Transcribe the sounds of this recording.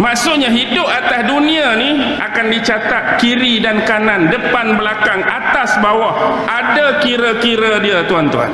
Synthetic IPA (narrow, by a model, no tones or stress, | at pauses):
maʔsʊʔɲaɦidʊp̚at̪asdunĩaniʔakandit͡ʃat̪at̪̚kiɾidankanãndəpanbəlakaŋʔat̪asbawahʔadakiɾakiɾadiat̪uant̪ua̰n